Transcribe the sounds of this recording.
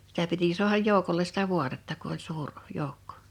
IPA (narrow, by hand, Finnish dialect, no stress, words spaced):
sitæ piti su̞ɑhɑj joˑu̞koles sitæ ʋuɑtetːɑ ku olʲ suːr jou̞kːo